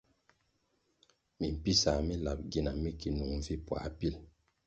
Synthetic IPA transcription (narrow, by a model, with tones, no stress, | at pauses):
mi˨m̩˨pi˦sa˨mi˦la˨p̚ɡi˦na˨mi˦ki˨nu˨ŋ˨vi˦pwa̰˨pi˦l